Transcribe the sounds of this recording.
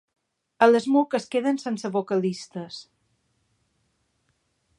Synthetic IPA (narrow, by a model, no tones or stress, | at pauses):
ələzmukəskeðənsensəβokəlist̪əs